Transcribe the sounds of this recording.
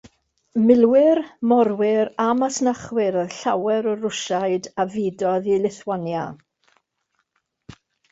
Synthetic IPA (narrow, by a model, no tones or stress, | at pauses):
mɪlˠwɪrmɔɾwɪɾamasnaχwɪɾəɬawɛɾɔrʊʃaɨdavɪːdɔðilˠɪθwanja